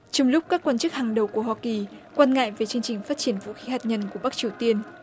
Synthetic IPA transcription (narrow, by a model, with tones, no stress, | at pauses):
t͡ɕɔ˧ŋ͡mlʊ˦˥k͡p̚kaː˦˥kwaː˧nt͡ɕɨ˦˥k̚haː˨˩ŋɗə˨˩wku˧˩əɦwaː˧ki˨˩kwaː˧nŋa̰ː˧˨jve˨˩t͡ɕɨ˧əŋt͡ɕï˨˩ŋ̟faː˦˥t̚t͡ɕi˧˩ənvṵ˧˥xi˨˦haː˨˩t̚ɲə˧nku˧˩əɓa˦˥k̚t͡ɕi˨˩əwt̪i˧ən